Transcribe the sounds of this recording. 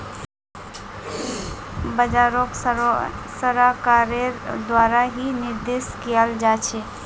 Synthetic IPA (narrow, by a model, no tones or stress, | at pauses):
bəd͡ʒaɾok | səɾakaɾed̪waɾaɦiniɾd̪eskijəld͡ʒat͡ʃʰe